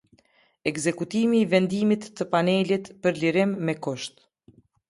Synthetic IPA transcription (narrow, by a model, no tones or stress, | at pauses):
ɛkzɛkut̪imiːvɛnd̪imit̪ːəpanɛlit̪pəɾliɾɪmːɛkɔʃt̪